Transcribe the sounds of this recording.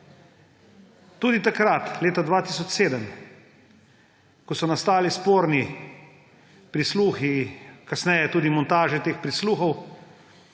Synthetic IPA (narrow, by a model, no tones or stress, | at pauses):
t̪uːd̪it̪akɾat̪leːt̪ad̪ʋaːt̪iːs̬ɔt͡ʃseːd̪əm | kɔsɔnast̪aːlispoːɾni | pɾisluːxikasnɛjɛt̪uːd̪imɔnt̪aːʒɛt̪eːxpɾisluːxɔw